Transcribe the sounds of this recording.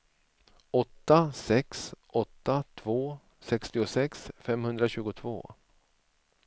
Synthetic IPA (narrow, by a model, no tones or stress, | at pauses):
ɔt̪ːasɛksʔɔt̪ːat̪ʰvoː | sɛkst̪ɪʊsɛksfɛmhɵnd̪ɾaɕʉ̟ːɡʊt̪ʰvo̰ː